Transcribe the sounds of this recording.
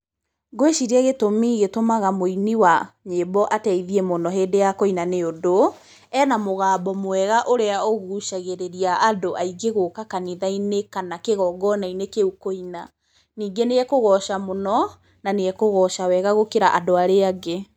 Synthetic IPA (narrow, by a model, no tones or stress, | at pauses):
ɡoeʃiɾiɛɣetomiːɣetomaɣamoiniwaɲebɔʔatɛiðiɛmonɔɦeːndejakoinaneodo | ɛːnamoɣaːbɔmowɛɣaʔoɾeaɔɣuuʃaɣeɾeɾiaʔːdoʔaiɡeɣokakaniðainekanakeɣɔɡɔnainekeukoina | niːɡeneɛkoɣɔʃamonɔ | naneɛkoɣɔʃawɛɣaɣokeɾaʔadoaɾeaɡe